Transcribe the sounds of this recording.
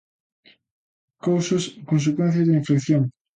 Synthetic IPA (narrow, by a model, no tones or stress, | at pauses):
kowsɐskõnsekwɛ̃nθjɐzðiɱfekθjoŋ